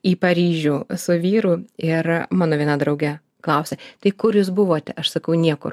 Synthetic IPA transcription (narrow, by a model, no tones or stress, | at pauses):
iːpɐɾʲiːʒʲuːsʊʋʲiːɾʊɪrmɑːnoːʋʲiɛnɐd̪ɾɐʊɡʲɛ | klˠɐʊsʲɛt̪ɐɪkʊɾjuːsbʊʋoːt̪ʲɛʔɐʃsɐkɐʊnʲiɛkʊ̰r